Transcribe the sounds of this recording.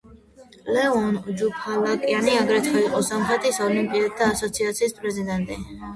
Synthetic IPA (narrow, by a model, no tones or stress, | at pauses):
lɛɔnd͡ʒupʰalakʼianiaɡɾɛt̪ʰɛiqʼɔsamχɛt̪ʰʼisɔlimpʼiat̪ʰːaːsɔt̪sʰiat̪sʰiːspʼɾɛzid̪ɛnt̪ʼi